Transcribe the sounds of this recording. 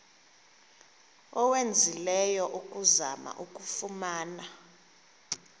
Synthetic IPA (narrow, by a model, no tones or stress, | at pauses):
ɔwend͡zʱilɛjɔʔukʼuzama̰ʔukʼufumaːna